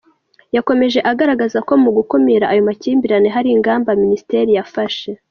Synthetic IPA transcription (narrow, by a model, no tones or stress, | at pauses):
jako̞me̞ʒe̞ʔaɡaɾaɡazako̞muɡukumiɾaʔajo̞maciːmbiɾane̞ɦaɾiŋɡaːmbaminisi̥te̞ɾijafaʃe̞